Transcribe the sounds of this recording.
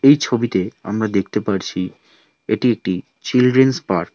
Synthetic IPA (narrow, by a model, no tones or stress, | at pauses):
ejt͡ɕʰobit̪ea̰mɾad̪ek̚ʰt̪epaɾt͡ɕʰi | eʈiek̚ʈi | t͡ɕilɖɾenspaɾ